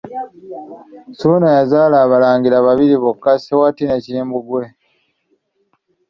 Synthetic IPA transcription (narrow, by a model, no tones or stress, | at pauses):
suːnajazaːlaːβalaːŋɡiɾaβaβiɾiβokːasewatineciːmbuɡwe̞